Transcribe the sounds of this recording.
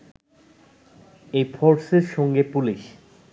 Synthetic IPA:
ejfʰɔɾseɾʃɔŋɡepuliʃ

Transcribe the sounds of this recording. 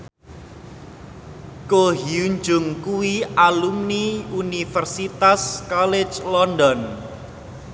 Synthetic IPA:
koɦiuɲd͡ʒʊŋkuwialumniunifɛrsit̪askɔle̥t͡ʃlɔndɔn

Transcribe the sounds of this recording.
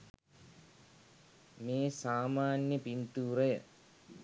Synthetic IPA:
meːsaːmaːnjəpint̪uːɾəjə̰

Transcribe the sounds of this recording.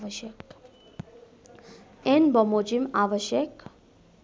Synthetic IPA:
əʃjək | enbəmod͡ʒimaʋəʃjək

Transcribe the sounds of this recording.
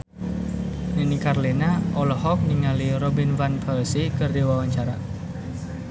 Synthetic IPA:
ninikaɾlinaʔɔlɔɦɔk̚niŋaliɾɔbinvanpalsikərdiwawaɲt͡ʃaɾa

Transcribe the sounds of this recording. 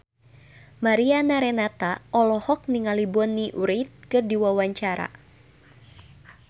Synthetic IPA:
maɾianaɾɛnat̪aɔlɔhɔk̚niŋalibɔnːiʔuɾit̪̚kɨrdiwawaɲt͡ʃaɾa̰

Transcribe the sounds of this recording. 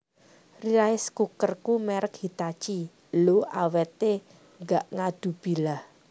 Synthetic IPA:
riɾaɪskukərkumɛɾək̚hit̪at͡ʃi | loa̰wɛt̪e | ŋɡaʔŋad̪̥ṳb̥i̤lah

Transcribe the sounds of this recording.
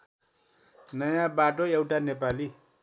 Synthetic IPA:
najãbaʈojawʈanep̬ali

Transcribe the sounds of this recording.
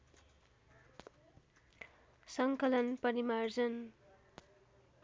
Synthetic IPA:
sʌŋkʌlʌnpʌɾimard͡zʌn

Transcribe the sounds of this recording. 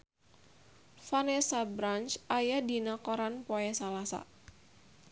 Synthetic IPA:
fanesabɾant͡ʃajadinakoɾanpoɛsalasa̰

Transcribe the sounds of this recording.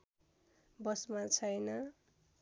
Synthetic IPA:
bʌsmat͡sʰʌjnʌ

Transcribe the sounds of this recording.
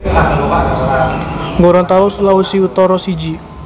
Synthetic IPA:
ŋɡoɾɔnt̪awɔsulawusiut̪ɔɾɔsid͡ʒi

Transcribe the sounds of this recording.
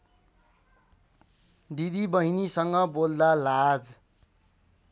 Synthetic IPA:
d̪id̪ibʌɦinisʌŋɡʌbold̪alad͡z

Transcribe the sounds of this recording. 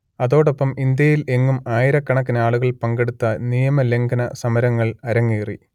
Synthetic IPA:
ɐðo̞ːɽo̞pːɐmind̪jɐjile̞ŋːumaːjiɾɐkːɐɳɐk̬ːinaːɭuɣɐɭpɐŋɡe̞ɽut̪ːɐnijɐmɐle̞ŋɡɐnɐsɐmɐɾɐŋːɐɭɐɾɐŋːiːrḭ

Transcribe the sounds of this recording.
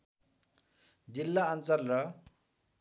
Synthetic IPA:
d͡zilːaːnt͡salrʌ

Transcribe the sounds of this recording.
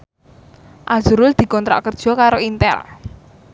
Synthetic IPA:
ʔḁz̥uɾʊld̪̥i̤kɔnt̪ɾa̰ʔkərd̥ʒ̥ɔ̤kaɾoint̪ɛ̰l

